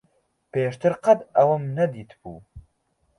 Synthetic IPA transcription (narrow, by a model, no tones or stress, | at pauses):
peːʃt̪ɨɾqɐt̪ɐwɐmnɐd̪iːt̪bṵː